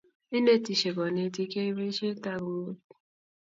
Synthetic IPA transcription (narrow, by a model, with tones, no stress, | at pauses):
i˦ne˦˨ti˨ʃe˨ɡɔ˨ne˧˦t̬i˧ke˦i˦ɾe˦ʃe˦ta˦ɡu˨˦˨